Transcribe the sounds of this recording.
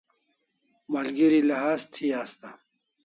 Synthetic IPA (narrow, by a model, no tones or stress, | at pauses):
malɡiɾilɐɦaːzt̪ʰiaːst̪a